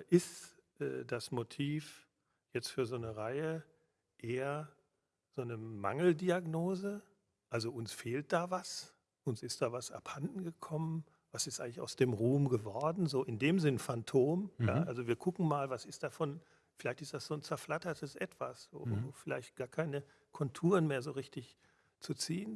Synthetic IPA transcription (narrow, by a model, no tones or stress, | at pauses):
ʔɪsʔɛ̰ːd̥asmotʰiːf | jɛt͡stfyːɐzoːnəʁaɪə | ʔeːɐ | z̥oːnəma̰ŋl̩diaɡnoːzə | ʔalzoʔʊnsfeːlt̚d̥aːvas | ʔʊnsɪst̚d̥aːvasa̰phandn̩ɡəkʰɔmən | vasɪstʔaɪŋlɪça̰ʊsd̥eːmʁuːmɡəvɔɐdn̩zoːʔɪndeːmzɪnəfantʰoːmja̰ːʔalzoviːɐkʰʊkŋ̩maːlvasɪstd̥afɔn | fɪlaɪçtɪstd̥asz̥oːnt͡sɛɐflatɐtʰəsʔɛtv̥a̰sz̥o̰ːfɪla̰ɪçt̚ɡ̥aːɐkʰaɪnə | kʰɔntʰuːʁənmeːɐzoːʁɪçtɪç | t͡sut͡siːən